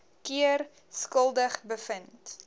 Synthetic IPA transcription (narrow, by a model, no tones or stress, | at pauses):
kiər | skəlˠdəχbəfənt